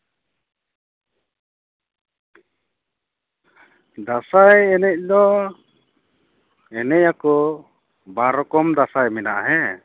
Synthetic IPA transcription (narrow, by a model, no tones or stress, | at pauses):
d̪asajɛnɛc̚ˀlɔ | ɛnɛjakɔ | bãɾɔkɔmd̪asajmɛnaʔɦɛ